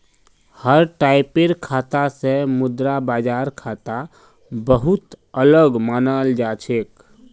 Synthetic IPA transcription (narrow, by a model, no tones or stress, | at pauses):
həɾʈaɪpeɾkʰat̪asemʊd̪ɾabad͡ʒaɾkʰat̪a | bəɦut̪ələɡmanəld͡ʒat͡ʃʰek